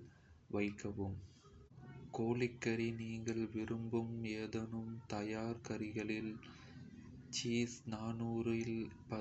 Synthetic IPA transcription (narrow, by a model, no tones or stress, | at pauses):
ʋɐɪkːɐʋɯm | koːlɪkːɐɾiniːŋɡɐɭʋɪɾɯmbɯmeːðɐnɯmt̪ɐjaːɾkɐɾɪɣɐɭɪl | t͡ʃiːsnaːnuːɾɪlpɐ